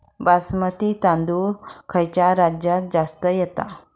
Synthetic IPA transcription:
basmət̪it̪ãnd̪uɾkʰəjt͡ɕjaɾad͡ʑjat̪̚d͡zast̪əjɛt̪a̰

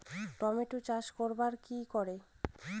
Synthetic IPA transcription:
ʈɔmeʈut͡ɕaʃkoɾbaɾkikɔɾe

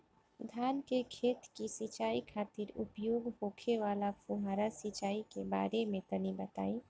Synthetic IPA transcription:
d̪ʱaːnkekʰeːt̪kisit͡ʃaːikʰaːt̪iɾʊpjoːɡɦoːkʰeʋaːlapʰuɦaːɾasit͡ʃaːikeba̰ːɾemẽt̪ənibət̪a̰ːĩː

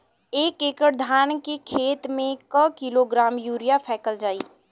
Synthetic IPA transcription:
eːkekəɾd̪ʱaːnkekʰeːt̪mẽkəkiloɡɾaːmjuːɾijapʰɛːkəld͡ʒaːi

